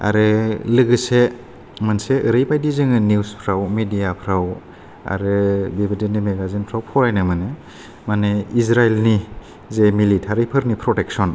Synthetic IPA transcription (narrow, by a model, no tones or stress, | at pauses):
a̰ɾɯlɯɡɯse | manseɯɾɯjpajdizɯŋɯniuspʰɾawmidijapʰɾaw | a̰ɾɯbibidinimeɡazinpʰɾawpʰɔɾajnɯmɯnɯ | manɯisɾajlni | zemilitʰaɾipʰɯɾnipʰɾɔteksɔn